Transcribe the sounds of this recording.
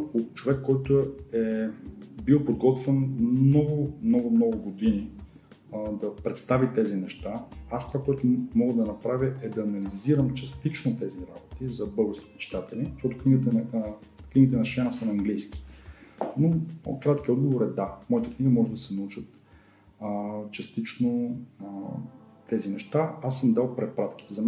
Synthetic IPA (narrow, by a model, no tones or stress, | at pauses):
kot͡ʃovɛkːɔjt̪ʊɛ | bilˠpod̪ɡɔt̪vɛnmnɔɡʊmnɔɡʊmnɔɡʊɡod̪ini | d̪ɐpɾɛt̪st̪avit̪ɛzinɛʃt̪aast̪v̥akoɛt̪ʊmɔɡəd̪ɐnɐpɾavʲəʔɛd̪ɐːnɐliziɾəmt͡ʃɐst̪it͡ʃnot̪ɛziɾabot̪izɐbɤɡəst̪i̥p̪ot͡ʃi̥t̪at̪ɛliʃt̪ɔt̪ʊkniɡt̪ɛ | kniɡit̪ɛnɐʃt͡ʃɛnəsɐnɐŋɡlijski̥ | no̰kɾat̪kʲiɔd̪̚ɡovoɾɛd̪afmɔit̪əkniɡəmɔʒɛd̪ɐsɛnɐut͡ʃət̪ | t͡ʃɐst̪it͡ʃno | t̪ɛzinɛʃt̪aasːəmd̪alˠpɾɛpɾat̪kʲi̥zɐm